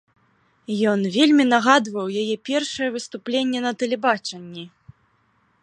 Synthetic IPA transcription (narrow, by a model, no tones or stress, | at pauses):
jɔnvʲelʲmʲinaɣad̪vɐwjajɛpʲɛrʂɐjɛvɨst̪uplʲenʲːɛnɐt̪ɛlʲɛbat͡ʂɐnʲːi